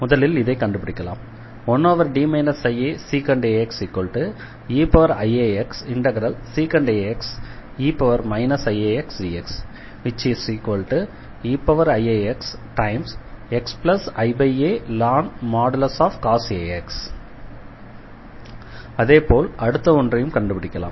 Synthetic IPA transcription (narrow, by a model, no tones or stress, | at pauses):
mʊðɐlɪlɪðɐɪkːɐɳɖɯpːɪɽɪkːɐla̰ːm | ɔnːoːʋɐɾɖiːmɐɪnɐsɐɪeːsiːkɐɳɖeɛksiːkːʋɐlʈɯ | iːpɐʋɐɾɐɪeːɛksɪɳʈɐɡɐɾɐlsikɐɳɖeːɛksiːpɐʋɐɾmɐɪnɐsɐɪeːɛksiːɛks | ʋɪt͡ʃisikʋɐlʈɯ | iːpːɐʋɐɾɐɪeːɛksʈɐɪmsɛksplɐsɐɪbɐɪeːlaːnmaːɽɐlɐsaːfkaːseːɛks | ɐðeːpoːlɐɽɯt̪ːɐɔndrɐjɯmkɐɳɖɯpɪɽɪkːɐlã̰ːm